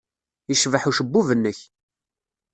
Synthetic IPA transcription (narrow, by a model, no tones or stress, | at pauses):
iʃvəħuʃəbːuvənːəç